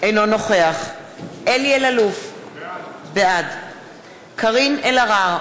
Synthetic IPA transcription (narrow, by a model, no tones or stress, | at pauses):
ejno̞no̞χe̞aχ | ʔelielaluf | bead | kʰaʁinelaʁaʁ